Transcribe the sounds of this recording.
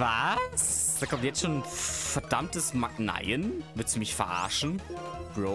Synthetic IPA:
vasd̥aːkʰɔmtjɛt͡stʃoːnfɛɐdamtəsmak̚na̰ɪənvɪɐtsumɪçfɛɐʔa̰ɐʃn̩ɡ̥ʁo

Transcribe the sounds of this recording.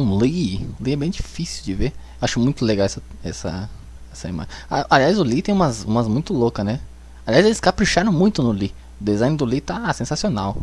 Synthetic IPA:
ũliʊliɛbẽj̃d͡ʒifisiuwd͡ʒɪve | waʃʊmũj̃t̪ʊleɡawɛsɐ | ɛsɐ̰ | ɛsɐḭma̰aʔaliajzʊlit̪ẽj̃ũmɐzũmɐzmũj̃t̪ʊlokɐnɛ | aliajzelɪskapɾiʃaɾɐ̃w̃mũj̃t̪ʊnʊli | ʊd̪ezãj̃nd̪ʊlit̪asẽsasionaw

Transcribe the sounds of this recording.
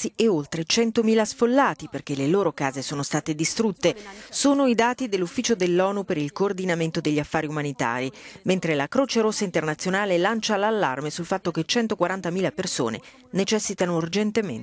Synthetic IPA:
ieolt̪ɾet͡ʃɛnt̪omiːlasfolːaːt̪iperk̟eleloːɾokaːzesoːnost̪aːt̪ed̪ist̪ɾut̪ːesoːnoid̪aːt̪id̪elːufːiːt͡ʃod̪elːɔːnupeɾilkoːrd̪inament̪od̪eʎːiafːaːɾiumanit̪a̰ːɾiment̪ɾelakɾoːt͡ʃeɾosːaint̪ernat̪sːjonaːlelant͡ʃalalːa̰rmesulfat̪ːoket͡ʃːɛnt̪okwaɾant̪amiːlaperso̰ːnḛ | net͡ʃɛsːit̪anourd͡ʒent̪emḛn

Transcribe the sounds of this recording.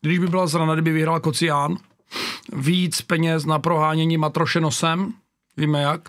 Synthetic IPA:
ɡdɪʒbɪbɪlazɾanadɪbɪvɪɦɾalkot͡sɪjaːn | viːt͡spɛɲɛs̬napɾoɦaːɲɛɲimat̪ɾoʃɛnosɛm | viːmɛjak

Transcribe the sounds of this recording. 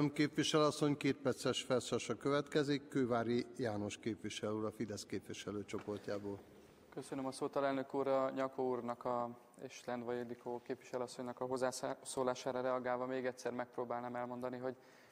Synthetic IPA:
mkeːpʋiʃɛlɒsːo̞ɲkeːt̪̚pɛrt̪sɛʃfɛrt̪sɒʃɒkøvɛt̪kɛzikːøːvaːɾijaːno̞ʃkeːpʋiʃɛluːɾɒfid̪ɛskeːpvʋiʃɛløːt͡ʃo̞po̞rcaːboːl | køsønømɒsoːt̪ɒlɛlnøkuːrɒɲɒkouːrnɒkɒ | eːʃlɛnd̪ʋɒjelikʰoːkeːpʋiʃɛlyɒsːo̞ɲnɒkɒɦozːaːsoːlaːʃaːɾɒɾɛɒɡaːlvɒmeːɡɛt̪ʲsɛrmɛk̚proːbaːlnaːmɛlmo̞nd̪ɒniɦo̞ɟ

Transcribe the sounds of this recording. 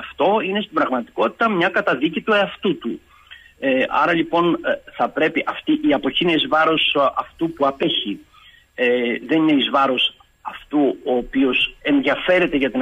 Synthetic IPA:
ɐft̪o̞ine̞st̪ibɾɐɣmɐt̪i̥ko̞t̪i̥t̪ɐmɲɐkɐt̪ɐðicit̪ueɐft̪ut̪u | eɐ̰ɾɐlipo̞nθɐpɾe̞piʔɐft̪iʔiɐpo̞çineizvɐɾo̞sɐft̪upuɐpe̞çi | ðe̞nine̞izvɐɾo̞s | ɐft̪uoːpio̞se̞nðiɐfe̞ɾe̞t̪e̞ʝɐt̪i

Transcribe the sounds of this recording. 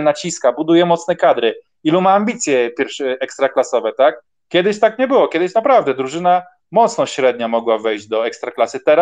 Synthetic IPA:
nat͡ɕiskabud̪ujɛmɔt̪snɛkad̪ɾɘ | ilumaːmbʲit̪sʲjɛpʲjɛɾfʂɛkst̪ɾaklasɔvɛt̪ak | kʲjɛd̪ɘɕt̪akɲɛbɘwɔkʲjɛd̪ɘɕnapɾavd̪ɛd̪ɾuʐɘna | mɔt̪snɔɕɾɛd̪̚ɲamɔɡwavɛjʑd͡ʑd̪ɔɛkst̪ɾaklasɘt̪ɛɾa

